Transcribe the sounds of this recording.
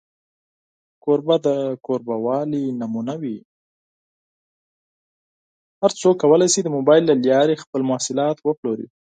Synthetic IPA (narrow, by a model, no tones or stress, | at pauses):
koɾbad̪əkoɾbawɑlinamunawi | haɾt͡sokːawəlajsid̪əmobɑjɪlːaljɑɾexpəlmʊasɪlɑt̪wəploɾḭ